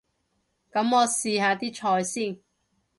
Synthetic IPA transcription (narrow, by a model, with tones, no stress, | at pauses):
kɐ˨˥mɔː˨˧siː˨˧haː˨˧t̪iː˥t͡ʃʰɔː˨˧jsiː˥˩n